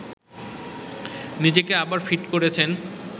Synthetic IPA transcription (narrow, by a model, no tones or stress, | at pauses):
nid͡ʑekeabaɾfiʈkoɾet͡ɕʰen